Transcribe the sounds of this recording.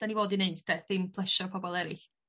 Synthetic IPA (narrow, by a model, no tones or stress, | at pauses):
d̥anivoːdineɨdd̥ɛθɪmpʰlˠɛʃɔrpʰɔbɔlˠɛɾɪɬ